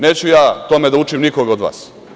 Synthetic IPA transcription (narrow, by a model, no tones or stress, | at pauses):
neːt͡ɕujaːt̪o̞med̪aut͡ʂimnikoɡaod̪ʋa̰ːs